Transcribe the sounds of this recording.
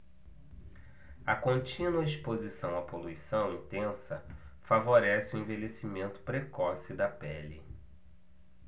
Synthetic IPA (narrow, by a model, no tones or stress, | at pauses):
ɐkõnt͡ʃĩnwɐispozisɐ̃w̃ɐpoluisɐ̃w̃ĩnt̪ẽsɐ | favoɾɛsɪuẽvelesimẽnt̪ʊ̥pɾekɔsid̪ɐpɛli